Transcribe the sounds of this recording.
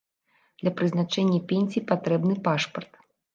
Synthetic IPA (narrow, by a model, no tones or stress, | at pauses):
d̪̥lʲɐpɾɨzn̪at͡ʂɛnʲːɐpʲenʲsʲijpat̪ɾɛbnɨpaʂpɐrt̪